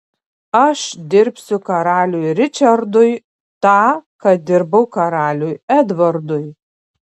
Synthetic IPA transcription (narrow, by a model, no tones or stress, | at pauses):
ɐʃd̪ʲɪɾʲpʲsʲʊkɐɾɑːlʲujɾʲɪt͡ʃʲɐɾd̪ʊj | t̪ɑːkɐt̚d̪ʲɪɾbɐʊkɐɾɑːlʲujɛd̪ʋɐɾd̪ʊj